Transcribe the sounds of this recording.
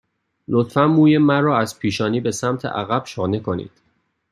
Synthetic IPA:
lot̪fænmuːjemæɾɒːæzpʰiːʃɒːniːbe̞sæmt̪ʰḛʔæ̰ɣæb̥ʃɒːnekʰo̞nḭːd̪̥

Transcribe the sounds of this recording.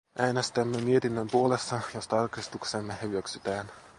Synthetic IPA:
ʔæːnest̪æmːemie̞t̪inːømpuo̞lesːɑjost̪ɑɑrkrist̪uksemːehyʋøksyt̪æːn

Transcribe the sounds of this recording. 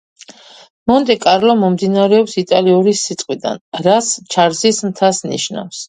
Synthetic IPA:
mɔnt̪ʼɛkʼaɾlɔmɔmd̪inaɾɛɔpsit̪ʼaliɔɾisːit̪sʼqʼwid̪a̰nɾast͡ʃʰaɾzismt̪ʰasnḭʃna̰fs

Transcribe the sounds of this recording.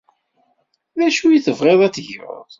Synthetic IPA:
ðæʃujiθəvʁeðˤæt͡sːʝʊ̰ðˤ

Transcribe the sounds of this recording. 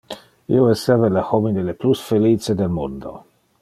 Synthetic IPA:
ḭoesɛvelaxovideleplusfelit͡sed̪elmund̪o̰

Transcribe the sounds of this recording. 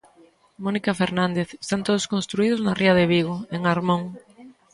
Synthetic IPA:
monikafeɾnãnd̪eθe̥st̪ant̪oðʊskõnst̪ɾuiðʊznarʔiaðeβiɣ̞oeŋaɾmõŋ

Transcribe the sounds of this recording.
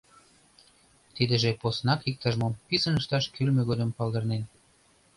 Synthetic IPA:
t̪id̪ə̆ʒeposnɑkik̚t̪əʒmopisənəʃt̪ɑʃkylmeɣod̪ə̆mpɑld̪ɤ̆rnen

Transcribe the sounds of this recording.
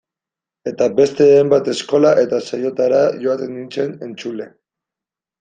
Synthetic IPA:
e̞t̪abe̞st̪e̞ajmbat̪e̞sko̞laʔe̞t̪asajo̞t̪aɾaʝo̞at̪e̞nint͡se̞ne̞nt͡sule̞

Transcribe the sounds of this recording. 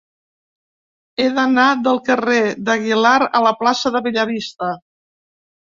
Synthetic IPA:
eðənaðəlˠkəreðəɣilaɾə̰ləplasəðəβiʎəɾist̪ə

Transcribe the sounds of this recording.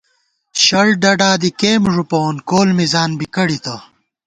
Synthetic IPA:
ɕɐɭɖɐɖaːd̪ikeːmʐupoːnkoːlmizaːnbikɐɽit̪ɐ

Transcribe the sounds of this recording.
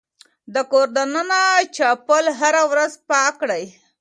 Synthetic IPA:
d̪əkoɾd̪ananat͡ʃɑpəlɦaɾawɾazpɑkɽaj

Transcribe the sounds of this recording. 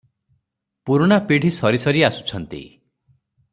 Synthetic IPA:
puɾuɽ̃apiɽʱisɔɾisɔɾiasu̥t͡ʃʰɔnt̪ḭ

